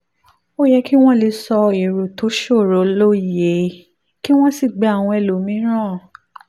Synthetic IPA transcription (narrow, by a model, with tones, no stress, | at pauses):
o˦jɛ˦ki˦w̃ɔ̃˦le˧sɔ˧e˨ɾo˨to˨˦ʃo˦˨ɾo˨˦lo˦˨je˨˦ | ki˦w̃ɔ̃˦si˦˨ɡ͡bɛ˨˧a˦˨w̃ɔ̃˧ɛ˨lo˨mĩ˨˦ɾ̃ã˦˨